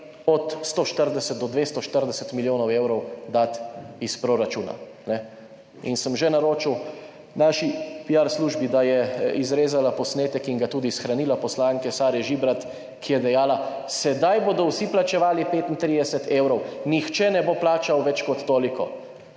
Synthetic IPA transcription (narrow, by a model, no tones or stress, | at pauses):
ɔt̪st̪oːʃt̪əɾd̪ɛsɛt̪̚d̪ɔd̪ʋeːst̪ɔʃt̪əɾd̪ɛsɛt̪miljoːnɔwewɾɔwd̪at̪ispɾoɾat͡ʃuːna̰ | nɛ | ḭnsəmʒɛnaɾoːt͡ʃiw | naːʃipijaɾsluʒbid̪ajɛizɾeːzalapɔsneːt̪ɛkiŋɡat̪uːd̪isxɾaniːlapɔslaːŋkɛsaːɾɛʒibɾat̪ | kijɛd̪ɛjaːla | sɛd̪ajboːd̪ɔwsiplat͡ʃɛʋaːlipeːt̪int̪ɾid̪ɛsɛt̪eːwɾɔwnixt͡ʃɛnɛboplaːt͡ʃawʋɛt͡ʃkɔt̪ːoːlikɔ